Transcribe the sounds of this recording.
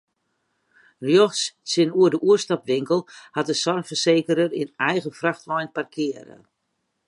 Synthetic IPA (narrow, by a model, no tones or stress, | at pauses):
rjɔxssɪnuədəʔuəstapʋɪŋkəlˠhat̚əsɔrfərseːkəɾərḭnɛjɣəfraxtʋɔjnparkʰɪəɾə̰